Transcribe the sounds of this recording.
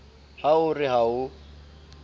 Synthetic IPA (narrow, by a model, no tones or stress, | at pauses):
haʊrɪɦaʊ